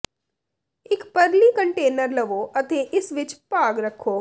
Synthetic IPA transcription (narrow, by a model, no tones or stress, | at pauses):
ɪkpɐɾlikɐ̃ɳʈeːnəɾlɐʋoːʔɐt̪ʰeʔɪsʋɪt͡ʃpaːɡɾɐkʰːoː